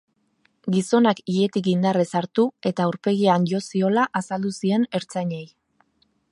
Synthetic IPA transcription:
ɡiso̞nakie̞t̪ikind̪aresaɾt̪ue̞t̪auɾpe̞ɣianʎo̞sio̞laʔasald̪usie̞ne̞ɾt͡saɲe̞j

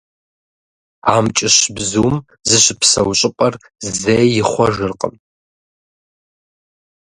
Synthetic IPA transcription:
aːmt͡ʃʼɪɕbzuːm | zɨɕɪpsɐwɕʼɪpʼɐr | zejjɪχʷɔʒɨrqʼə̰m

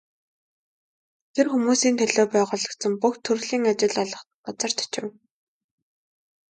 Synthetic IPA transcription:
t̪ʰerxumuːsiːnt̪ʰæɮoːpæːʁʊːɮə̆kt͡sə̆mpuxt̪ʰɵrɮiːŋat͡ɕɪ̆ɮɔɮɞ̆χt̪ɔt͡sə̆r̥t̪ʰt͡ɕɪ̆w

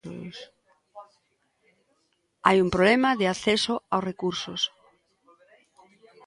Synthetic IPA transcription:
s | a̰jumpɾolemaðɪaθesoawsrekuɾsʊs

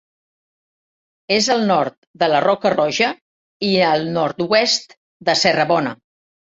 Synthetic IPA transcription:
ezəlˠnɔɾt̪d̪ələrɔkərɔʒə | iəlˠnɔɾt̪uɛst̪ | d̪əsərəβ̞ɔnə

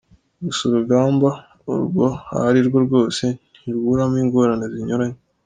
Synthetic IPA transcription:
ɡusuɾubɡaːmba | ṵɾɡo̞ha̰ɾiɾɡo̞ɾɡo̞ːse̞n̥ | iɾɡuɾamiːŋɡo̞ɾaneziɲoɾaɲe

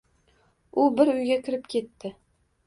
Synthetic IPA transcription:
ʊbɪɾʊjɡʲakʲʰɪɾɪpkʲʰe̞t̪ːɪ

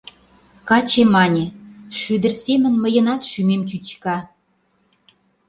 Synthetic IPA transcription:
kɑt͡ɕemɑnʲeʃyd̪ə̆rsemə̆nməjə̆nɑt̪ʃymemt͡ɕyt͡ɕkɑ

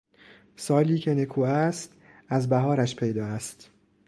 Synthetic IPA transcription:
sɒːliːcʰe̞ne̞kʰuːæst̪ | æzbæɦɒːɾæʃpʰe̞jd̪ɒːæst̪

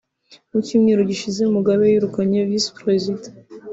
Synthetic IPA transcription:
mucimŋeɾuɟiʃize̞umuɡaβejiɾukaɲevispɾezit

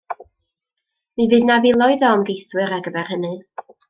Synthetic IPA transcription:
mivɨːdnavilˠɔjðɔəmɡejθwɨɾaɡəbɛrhənɨ

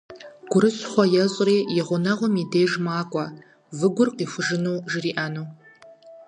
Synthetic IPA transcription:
ɡ̥ʷʊɾɨɕʼχʷɔjɛɕʼriːjɪʁʷʊnɐʁʷɔmideːʒmaːkʷʼɔ | vɨɡʷʊrqiːxʷʊʒɨnuːʒɪriːʔɐnuː

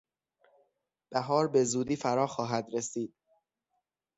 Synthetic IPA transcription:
b̥æɦɒːɾbe̞zuːd̪iːfæɾɒːxɒːɦæd̪ɾesiːd̪̥̚

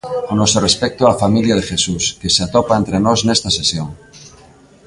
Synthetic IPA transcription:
onosorespek̚t̪oalafamiljaðexesuskeseat̪opaent̪ɾenosnest̪asesjoŋ

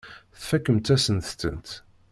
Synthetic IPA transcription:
θfækːəmt̪æsənθt͡sːə̰nt̪

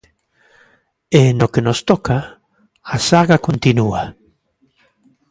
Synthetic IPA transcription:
enokenost̪oka | asaɣakõnt̪inua

